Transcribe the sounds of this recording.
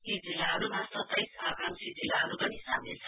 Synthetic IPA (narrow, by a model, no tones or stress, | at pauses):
id͡zilːaɦʌɾumasʌt̪ːʌjsabrʌmsid͡zilːaɦʌɾupʌnisamḛlt͡sʰʌ